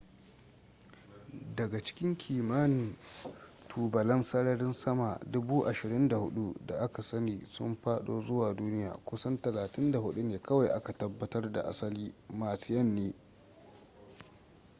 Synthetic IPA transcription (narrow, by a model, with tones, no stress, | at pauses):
dɐ˨ɡa˨t͡ʃɪ̥˦kʲɪ˦ŋkʲʰiː˨ma˦n˨ | tʰuː˨bɐ˨lɐ˦nsɐ˦ɽɐ˦ɽɪ˦nsɐ˦ma˨dʊ˦buː˦ʔa˨ʃɪ˨ɾɪ˦nda˨hʊ̰˦ɗu˦da˨ʔa˦ka˨sɐ˦niː˨sʊ̰˦mɸaː˦ɗoː˦˨zʊ˦waː˨duː˦nɪ˦ja̰ː˨kʷʊ˦sɐ˦ntɐ˨laː˨tɪ˦nda˨ɦʊ˦ɗu˦neː˨kɐ˦wa˨jʔa˦ka˨tɐ˦bːɐ˦tɐ˦rda̰˨ʔa̰˦sɐ˦liː˦maː˨sɪ˦jɐ˦nːeː˦